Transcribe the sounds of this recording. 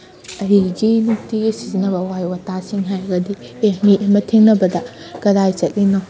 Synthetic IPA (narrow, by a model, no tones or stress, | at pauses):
ɐɾiɡinuk̚tiɡisizinɐbɐwajwɐtasiŋɦajɾɐɡɐdi | emiʔemɐtʰeŋnɐbɐdɐ | ɡ̥ɐɾajt͡ʃɐk̚linaw